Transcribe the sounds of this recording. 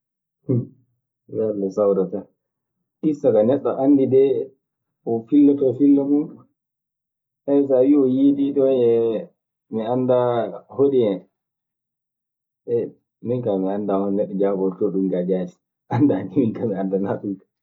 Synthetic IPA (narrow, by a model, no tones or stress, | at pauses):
h | baɾlɛsawɾata | ɗisaɡanɛɗːɔʔanːdidɛ | ɔfilːɔtɔfilːɔmun | ʔɛjsawiɔjididɔɛ | miandahoɗiɛ | ɛ | miŋkamiandahɔnnɛɗːɔd͡ʒabɔɾtɔɗumɡad͡ʒadi̥ | ʔandaniminkamiandanaɓukḁ